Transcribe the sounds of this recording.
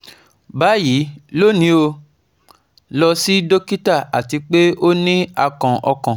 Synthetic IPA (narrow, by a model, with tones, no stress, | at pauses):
ba˨˦ji˨˦lo˦˨nĩ˨˦o˧ | lɔ˧si˦do˦ki˦ta˦˨a˨ti˧k͡pe˦o˦nĩ˦a˧kã˨ʔɔ˧kã˨